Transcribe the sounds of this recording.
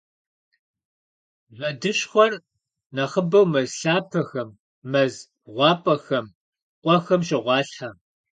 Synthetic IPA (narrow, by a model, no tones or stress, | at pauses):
zʷɐdɨɕxʷɔr | nɐχəbɐwmɐzɬaːpʰɐxɐmː | ɐz | ʁʷɑːpʼɐxɐm | qʷʼɔxɐmʃɪʁʷɑːɬħa